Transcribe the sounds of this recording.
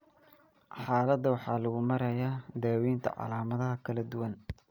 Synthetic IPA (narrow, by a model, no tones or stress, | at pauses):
ħɑːlɐd̪ɐwɑħɑːlɐɣʊmɐɾɐjaːd̪aːwiːnt̪ʰɐ̰ʕɑ̰laːmɐðɐɦɐkʰɐlɐd̪ʊwɐn